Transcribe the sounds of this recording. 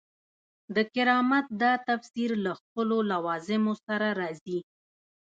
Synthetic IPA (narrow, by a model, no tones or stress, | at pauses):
d̪əkɪɾɑmat̪̚d̪ɑt̪afsiɾlaxpəlolawɑzɪmosaɾaɾɑzi